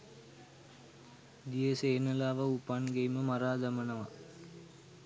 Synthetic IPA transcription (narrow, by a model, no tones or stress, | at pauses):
d̪ijeseːnɐlaːʋəupanɡejməmaɾaːd̪ɐmɐnɐʋa